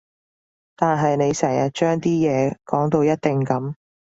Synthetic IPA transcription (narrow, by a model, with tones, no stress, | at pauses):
t̪aː˨nɦɐ˨jne˨˧jsɛː˨˩ŋjɐ˨t̚t͡ʃœː˥ŋt̪iː˥jɛː˨˧kɔː˨˥ŋt̪o˧wjɐ˥t̚t̪ɪ˨ŋkɐ˨˧˥m